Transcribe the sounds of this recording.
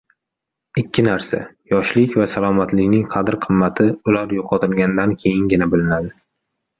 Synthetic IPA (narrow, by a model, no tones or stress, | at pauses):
ɪkʲʰːɪnaɾsa̰jɒʃlɪkʲvasalˠɒmat̪lɪkʲnɪŋqʰɑd̪ɪɾqʰɨmːat̪ʰɪʊlaɾjoqʰɒt̪ʰɪlˠɡʲanɪd̪ankʲʰe̞jɪnɡʲɪnabɪlɪnad̪ɪ